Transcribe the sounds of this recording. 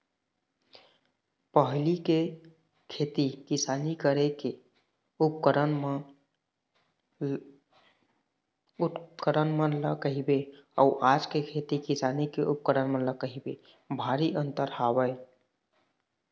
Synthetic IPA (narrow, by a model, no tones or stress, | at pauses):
pəɦlike | kʰet̪ikisanikəɾeke | up̚kəɾənm | ukəɾənmələkəɦibeə̰uʔad͡ʒkekʰet̪ikisanikeʔup̚kəɾənmə̃ləkəɦibḛ | bʱaɾiʔənt̪əɾhabəɪ